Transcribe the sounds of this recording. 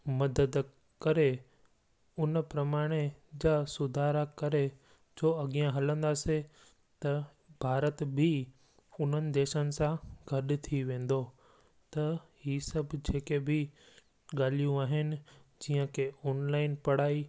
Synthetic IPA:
mɐd̪əd̪ | kɐɾe | ʊnpɾɐmaːɽ̃ed͡ʑaːsʊd̪ʱaːɾakɐɾe | d͡ʑoːɐɠijə̃ɦɐlə̃nd̪aːse | t̪ɐ | bʱaːɾət̪bʱɪ | ʊnɦənɪ̆d̪eːʃənɪ̆sãɡʱɐɗt̪ʰiʋẽːn̆d̪o | t̪ɐɦiːsɐbʱd͡ʑeːkebʱɪ | ɠaːl̤ijũaːɦɪnɪ̆d͡ʑiːə̃kʰeɔːnlaːɪnpɐɽ̤aːi

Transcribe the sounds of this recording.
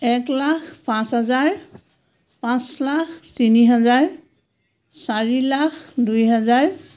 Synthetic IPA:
ɛklakʰpãsɦazaɹ | pãslakʰtiniɦazaɹ | saɹilakʰdujɦazaɹ

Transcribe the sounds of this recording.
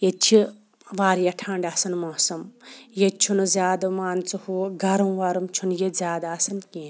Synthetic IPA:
jet͡ʃʰi | ʋaːɾjɐʈʰaːɳɖaːsɐnmoːsɐmjet͡ʃʰunuzʲjaːd̪ɐmaːnt͡suhuɡʱɐɾɐwʋaɾumt͡ʃʰunjezʲaːd̪aːsɐnkĩːn

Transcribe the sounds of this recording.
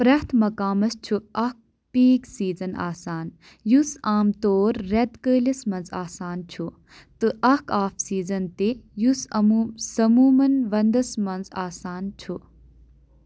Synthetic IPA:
pɾɐt̪ʰmɐkaːmɐst͡ʃʰuɐk̚ | piːksiːzɐna̰ːsaːn | jusaːmt̪oːɾːed̪kəːlɐsmɐnzaːsaːnt͡ʃʰu | t̪ɨʔɐkʰaːfsiːzɐnt̪ejusɐmuːmsɐmuːmɐnʋɐnd̪ɐsmɐnzaːsaːnt͡ʃʰu

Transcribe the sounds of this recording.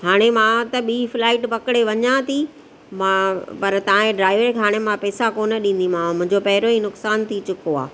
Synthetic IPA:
ɦaːɽ̃emãt̪ɐɓiːflaːɪʈpɐkɪɽeʋɐɲãt̪ʰi | mãpɐɾt̪ɐãẽɖɾaːɪʋəɾkɦaːɽ̃emãpɛːsakoːnəɗĩːn̆d̪imãmʊ̃ɪ̃ɲd͡ʑopɐɦɪɾoinʊksaːnt̪ʰit͡ɕʊkoa̰ː

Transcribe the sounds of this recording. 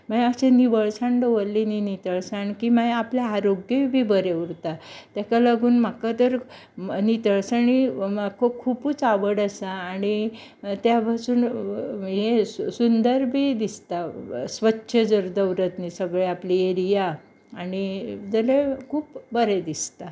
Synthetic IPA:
maɦaseniʋəɭsãɳɖəʋəlːininit̪əɭsaɳkimaɦjapljaaɾoɡjeʋbʱiːbəɾeuɾt̪at̪jakalaɡuːnm̤akat̪əɾ | nit̪əɭsaɳimakʰokʰuːpuːt͡saʋəɽasaːɽ̃i | t̪jabasuːn | ɦesund̪əɾbʱiːd̪ist̪asʋətːɕʰəd͡zəɾd̪əwɾət̪nisəɡɭeaplieɾijaː | ɽ̃id͡zəlekʰuːpbəɾed̪ist̪a

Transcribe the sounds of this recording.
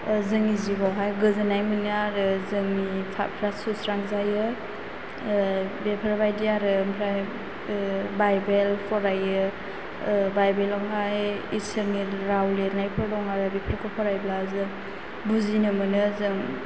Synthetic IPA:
zɯŋizibawɦajɡɯzɯnajmɯnɯaɾɯzɯŋnipʰa̰pʰɾasusɾaŋzajɯ | bepʰaɾbajdiaɾɯmpʰɾa | bajbelpʰɔɾajɯ | bajbelawɦajisəɾniɾawleɾnajpʰɯɾdɔŋaɾɯbepʰəɾkʰɔpʰɔɾajblazɯ | buzinɯmɯnɯzɯŋ

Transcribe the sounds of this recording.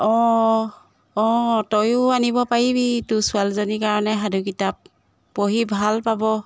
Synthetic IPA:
ɔ̃ | ɔ̃tɔjʊanibɔpaɹibitusualzonikaɹɔnɛɦadukitap̚ː | oɦibʱalpabɔ

